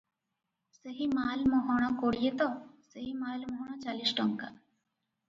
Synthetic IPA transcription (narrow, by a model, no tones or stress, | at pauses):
səɦimaːlmɔɦɔɽ̃ɔ̃koːɽijet̪ɔsəɦimaːlmɔɦɔɽ̃ɔ̃t͡ʃaːlisʈɔŋka̰